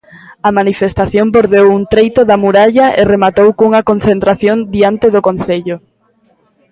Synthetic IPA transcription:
ɐmanifest̪aθjomboɾðewunt̪ɾejt̪oðamuɾaʎɐʔeremat̪owkuŋɐkon̟θent̪ɾaθjond̪iant̪eðokonθeʎʊ

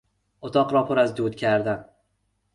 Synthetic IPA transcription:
ot̪ʰɒqɾɒpʰʊɾazd̪ut̪̚kʲʰaɾd̪an

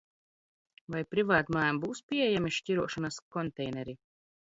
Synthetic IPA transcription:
vajpɾivaːt̪maːmbuwspʲiɛjamiʃcʲiɾuɔʃɔnaskɔnt̪ɛjnɛɾi

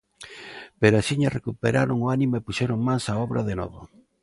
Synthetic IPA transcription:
peɾasiɲarekupeɾaɾoŋoanĩmoepuʃɛɾoŋmansaɔβɾaðenɔ̰ðʊ

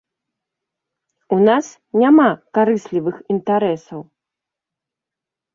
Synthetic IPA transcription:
unas | nʲamakaɾɨsʲlʲivɨxint̪aɾɛsɐw

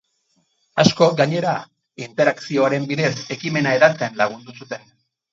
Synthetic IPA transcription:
asko̞ɡaɲe̞ɾa | int̪e̞ɾaksio̞aɾe̞mbiðe̞se̞kime̞naeðat͡seanlaɣ̞und̪usut̪e̞n

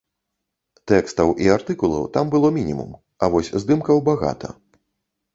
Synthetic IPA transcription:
t̪ɛkst̪ɐwʔiart̪ɨkulˠɐ̰wt̪ambɨlˠɔmʲinʲimṵm | avɔsʲzd̪ɨmkɐwbaɣa̰t̪ʰɐ̰

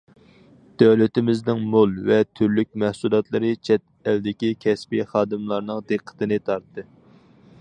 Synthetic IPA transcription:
d̪̥æwlɪt̪ɪmɪznɪŋmolˠvɛt̪ʰyɾlyk̚ʲmæhsulˠɑt̪lˠɨɾɨt͡ʃʰɛt̪̚ | æld̪ɪkʲikʲʰɛspiχɑːd̪ɨmlˠɑɾnɨŋd̪eqʰːə̥t̪ɨnɨt̪ʰɑɾt̪ːɨ

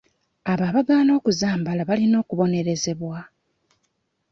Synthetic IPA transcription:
aβaːβaɡaːno̞ːkuzaːmbalaβalino̞ːkuβo̞ne̞ɾe̞ze̞βwa

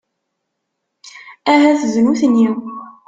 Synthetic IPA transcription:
æɦæθəznuθnːiw

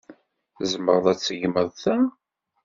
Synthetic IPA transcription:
θzmə̰ɾðˤæt͡sːəʝməðˤθæ

